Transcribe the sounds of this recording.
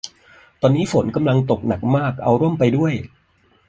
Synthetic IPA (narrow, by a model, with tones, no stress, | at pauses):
t̪ɔː˧nːiː˦˥fo˩˦nka˧mla˧ŋt̪o˨˩k̚na˨˩k̚maː˥˩k̚ʔa˧wɾu˥˩əmpa˧jdu˥˩əj